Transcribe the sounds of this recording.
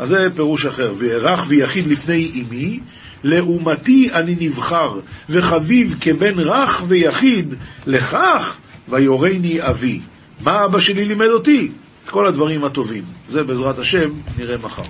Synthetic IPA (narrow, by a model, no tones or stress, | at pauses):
ʔazːepe̞ʁuʃaχe̞ʁveʁaχvejaχid̪lifne̞jimi | le̞umat̪ianinivχaʁveχavivkebe̞nʁaχvejaχid̪le̞χaχvajo̞ʁejniavi | maabaʃelilime̞d̪o̞t̪i | et̪ko̞lad̪vaʁimat̪o̞vimze̞beːzʁat̪haʃe̞mniʁe̞maχa̰ʁ